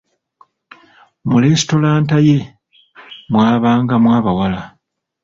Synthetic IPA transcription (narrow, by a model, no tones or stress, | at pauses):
muleːsi̥to̞laːntaje | mwaːβaːŋɡamwaːβawala